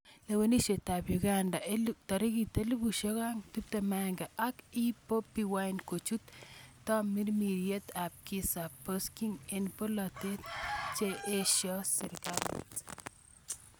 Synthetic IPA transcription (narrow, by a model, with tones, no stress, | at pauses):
le˨we˦ni˦ʃe˨ta˨pjuɡanda˨et̪ɔ˨ɾi˦ɡi˨t̪e˦lu˦bu˨ʃo˦ka˦ŋt̪u˦p̚t̪emaŋɡɛ˨ʔaki˦po˦piwaɪnko˨t͡ʃu˦t̪tːɔ˦mi˦ɾmi˨ɾje˦t̪a˨p̚ki˦sa˨poskiŋenpo˦lɔ˨t̪e˦t̪t͡ʃeʔe˦ʃjɔ˦sɪ˨ɾkal̰t